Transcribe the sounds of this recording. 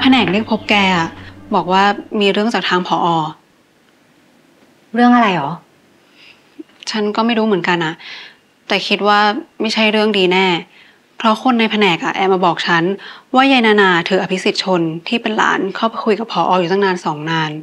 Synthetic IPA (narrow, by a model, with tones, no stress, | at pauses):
pʰa˧nɛː˨˩k̚li˥˩pʰo˦˥p̚kɛː˧ʔa˨˩bɔː˨˩k̚waː˥˩miː˧ɾɯ˥˩əŋt͡ɕaː˨˩t̪ʰaː˧ŋpʰɔː˩˦ʔɔː˧ | ɾɯ˥˩əŋʔa˧ɾa˧jʔɔː˩˦ | t͡ɕʰa˦˥nkɔː˥˩ma˥˩jɾuː˦˥mɯ˩˦nka˧nʔa˨˩ʔ | t̪ɛː˨˩kʰi˦˥t̪̚waː˥˩ma˥˩jt͡ɕʰa˥˩jɾɯ˥˩əŋdiː˧nɛː˥˩ | pʰɾɔ˦˥xo˧nːa˧jpʰa˧nɛː˨˩k̚ʔa˨˩ʔɛː˨˩p̚ʔaː˧bɔː˨˩k̚t͡ɕʰa˦˥nwaː˥˩ja˧jnaː˧naː˧t̪ʰɯː˩˦ʔa˧pʰi˦˥si˨˩t̪̚t͡ɕʰo˧nt̪ʰiː˥˩pe˧nla̰ː˩˦nkʰɔː˥˩pkʰu˧jka˨˩pʰːɔː˩˦ʔɔː˧juː˨˩t̪a˥˩ŋnaː˧nsɔː˩˦ŋnaː˧n